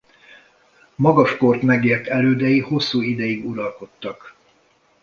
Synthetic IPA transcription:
mɒɡɒʃko̞rt̪mɛɡeːrt̪ɛløːd̪ɛjiho̞sːuːid̪ɛjiɡuɾɒlko̞t̪ːɒk

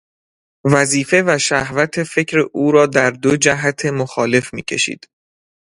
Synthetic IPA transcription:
væziːfe̞væʃæhvæt̪ʰe̞fe̞cʰɾeʔuːɾɒːd̪æɾd̪od͡ʒæɦæt̪ʰe̞moxɒːle̞fmḭːcʰe̞̰ʃḭːd̪̥

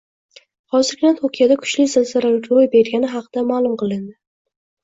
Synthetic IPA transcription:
hɒzɪɾkʲʰnant̪ʰokʲʰijad̪akʰʊ̥ʃlɪzɪlzaɾalkʲɾojbe̞ɾɡʲanɪɦɑqʰɨd̪amaːlˠʊmqɨlˠɪnd̪ɪ

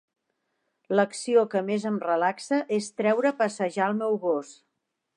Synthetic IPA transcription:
ləksiokəmezəmrəlaksəʔest̪ɾɛwɾəpəsəʒaəlˠmɛwɣos

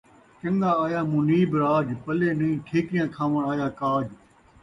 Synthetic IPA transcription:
t͡ʃə̃ŋɡaːaːjaːmũːniːbɾaːd͡ʒpəleːnĩĩːʈʰeːkɪjãːkʰãːʋəɳaːjaːkaːd͡ʒ

